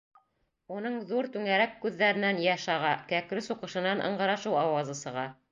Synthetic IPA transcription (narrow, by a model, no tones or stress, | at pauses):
unɤɴðuɾt̪ʉŋæɾækːʉðːæɾɘ̆nænjɑʃɑʁɑkækɾɘsuqɤ̆ʃɤ̆nɑnʔɤ̰̆ɴɢɤ̆ɾɑʃɤwɑwɑzɤsɤ̆ʁɑ